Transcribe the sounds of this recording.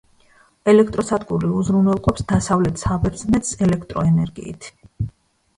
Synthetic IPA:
ɛlɛkʰt̪ʼɾɔsad̪ɡʼuɾiuzɾunɛlˠqʼɔpsd̪asavlɛt̪ʰsabɛɾd̪znɛt̪sɛlɛkʰt̪ʼɾɔɛnɛɾɡḭːt̪ʰ

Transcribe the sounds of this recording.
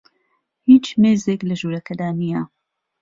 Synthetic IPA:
hiːt͡ʃmeːzeːklɐʒuːɾɐkʰɐd̪aːnijɐ

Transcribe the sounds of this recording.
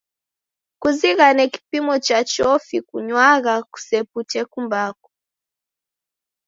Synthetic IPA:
kuziɣanɛki̥pimɔt͡ʃat͡ʃɔfikuɲwaɣaku̥sɛputɛkumbakɔ̥

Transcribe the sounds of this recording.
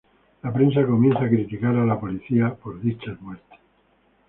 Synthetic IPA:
lapɾẽ̞ns̬ako̞mje̞nθaːkɾit̪ikaɾalapo̞liθiapo̞ɾðit͡ʃazmwe̞ɾt̪e̥s

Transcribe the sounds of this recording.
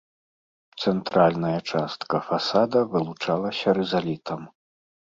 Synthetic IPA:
t̪sɛnt̪ɾalʲnɐjɐt͡ʂast̪kɐfasad̪ɐvɨlˠut͡ʂalˠɐsʲɐɾɛzalʲit̪ʰɐm

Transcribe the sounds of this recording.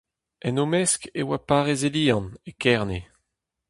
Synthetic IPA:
ɛnomɛskewapaːʁezeliːɑ̃nekɛʁne

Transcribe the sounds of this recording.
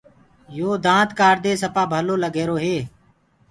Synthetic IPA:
joːd̪ãːt̪kaːɾd̪eːsəpaːbʱəloːləɡeːɾoːɦeː

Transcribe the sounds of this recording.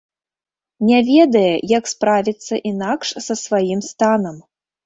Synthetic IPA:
nʲɛvʲɛd̪ɐjɛjɐkspɾavʲit̪sːɐʔinakʂsɐsvajimst̪anɐm

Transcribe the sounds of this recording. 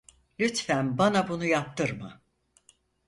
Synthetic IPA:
lʲyt̪fænbanabunujap̚t̪ɯɾmɯ

